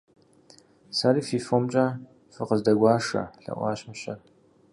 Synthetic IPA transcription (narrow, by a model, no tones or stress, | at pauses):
saːliːfiːfomt͡ʃʼaː | fɨqəzdɐɡʷɑːʂɐ̰ɬɐ̰ʔʷɑ̰ːɕmɨɕɐr